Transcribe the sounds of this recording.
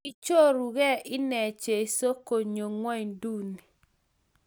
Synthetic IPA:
i˦t͡ʃo˦ɾu˨ɡɛ˦ʔɪ˦nɛ˨t͡ʃe˨i˨so˦ko˨ɲo˨ŋwɔ˦ɲdu˦ni˨

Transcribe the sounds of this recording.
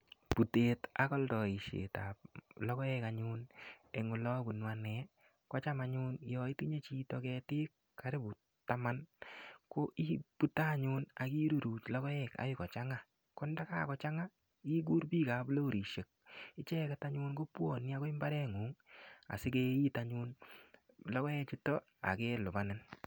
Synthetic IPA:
pu˨te˨ta˨kɔ˦ldɔ˨i˨ʃḛ˨ta̰˨p̚lɔ˦kɔ˦ɛka˨ɲʊne˨ŋʊ˨lɔ˦bu˨nwanɛ˨˦ | kɔ˦t͡ʃa˦maɲʊ˦njɔ˨i˦ti˦ɲe˦t͡ʃi˦tɔ˨kɛ˧tɪ˦kːa˦ɾe˦bu˨ | ta˦ma˦nko˦ʔi˦pu˦ta˦˨ɲʊ˦na˨ki˦ɾu˨ɾuː˨t͡ʃlɔ˦kɔ˦ɛ˨ka̰˨jɪ˦kɔ˨t͡ʃa˦ŋa˦ | kɔ˦nda˦ka̰˦kɔ˨t͡ʃa˦ŋa˦ | i˦ɡ̬u˦ɾbi˦ka˨blo˦˨ɾi˨ʃe˨k̚ɪ˦t͡ʃɛ˦ka˨ta˦ɲuː˦nko˦pwo˨ni˦a˦ko˦i˦mba˦ɾɛ˦ŋu˨˦ŋa̰˨sɪ˦ke˦i˦ta˨ɲu˦n | lɔ˦kɔ˦ɛ˦t͡ʃi˦tɔ˦ | a̰˨ke˦lʊ˨ba˨nɪ˦n

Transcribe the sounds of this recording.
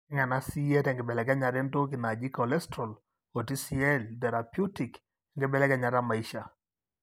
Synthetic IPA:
ɛ˦ŋɛ˨na˦si˦ɛ˦tɛ˨ŋɡɪ˨bɛ˨lɛ˨kɛ˦ɲa˨ɾɛ˦nto˦k̬i˨na˨d͡ʒi˦kɔ˨lɛ˦stɾɔ˨l | ɔ˨ti˦si˨ɛ˦ltɛ˨ɾa˨pju˦ti˨k | ŋɡɪ˦bɛ˦˨lɛ˦kɛ˨˦ɲa˨ɾa˦ma˨iʃa˨

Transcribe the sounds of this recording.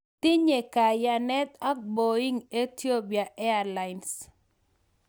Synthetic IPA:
t̪ɪ˦ɲe˨ka˨ja˨nɛ˦t̪a˦k̚bo˨i˦ŋe˦ti˦o˦pi˨a˨ʔɛ˦ala˨ɪns

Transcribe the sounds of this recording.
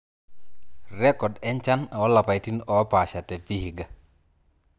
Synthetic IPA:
rɛ˦kɔ˨dɛ˦nt͡ʃa˦na˨ɔ˦la˨pa˨jti˦nɔ˨˦pa˨ʃa˨tɛ˨fi˦hi˨ɡa˨

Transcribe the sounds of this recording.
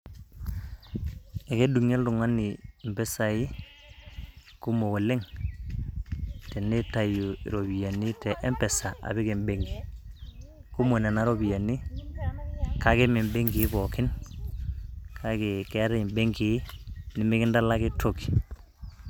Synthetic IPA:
ɛ˨ke˦du˨ŋe˦ldu˨ŋa˦ni˨mbɛ˦sa˨ji˦ | ku˦mo˨wo˨le˦ŋ | tɛ˨ni˦ta˨ju˨ḭ˨ɾo˨bi˨ja˨ni˦tɛ˨ʔɛ˦mpɛ˨sa˨a̰˨βɪ˦ke˨mbe˦ŋɡi˨ | ku˦mo˨nɛ˨na˦ɾo˦bi˨ja˨ni˦ | ka˦kɪ˦mi˨mbe˦ŋɡi˨˦bɔ˨kɪ˦n | kʰa˦ki˨ke˦ɾɛ˦˨mbe˦ŋɡi˨˦nɪ˨mɪ˦kɪ˦nda˦la˦ki˦tʰo˨ki̥˨

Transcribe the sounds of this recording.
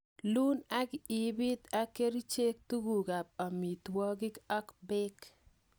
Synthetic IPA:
lu˦na˦ɡɪ˨ɪ˨bɪ˦t̪a˦ke˦ɾi˦t͡ʃe˦k̚t̪u˦ɡu˨ɡa˨p̚a˨mi˨t̪wɔ˦ɡɪ˦ka˦kbɪ˦k

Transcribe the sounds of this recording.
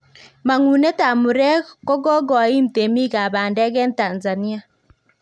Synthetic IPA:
ma˨ŋu˨ne˦ta˨mʊ˨ɾɛ˦kɔ˦ɡɔ˦ɡɔ˨a˨i˦m̩˨te˨mi˦ɣa˨baː˨ndɛ˦ɣɛ˦n˦ta˨nza˨ni˦a˨

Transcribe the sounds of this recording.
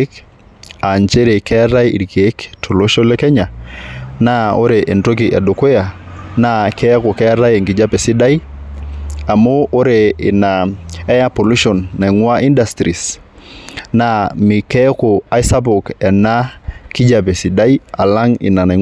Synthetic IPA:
k | a˨ɲt͡ʃe˦ɾe˨kɛ˦ɾa˦jḭ˨ɾke˦ktʰo˨lo˦ʃo˦lɛ˦kɛ˦ɲa˨na˦o˦ɾe˨ʔe˨nto˦k̬i˨ʔɛ˨do˨ko˦ja˨ | na˦kɛ˦ko˨kɛ˦ɾa˦jɛ˨ŋɡi˨d͡ʒa˦pɛ˨si˦da˦i˦ | a˨moː˦ɾe˨ɪ˨na˨ɛ˦ja˦po˨lu˦ʃo˨nːa˨ŋwa˦ʔi˦nda˨stɾi˨s | na˦mi˨kɛ˦ko˨a˦jsa˦p̬o˨kɛ˨na˦ki˦d͡ʒa˨pe˨si˨da˦i˦a˨la˦ŋḭ˨na˨na˨

